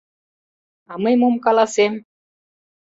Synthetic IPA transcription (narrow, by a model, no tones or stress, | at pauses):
ɑməjmomkɑlɑsem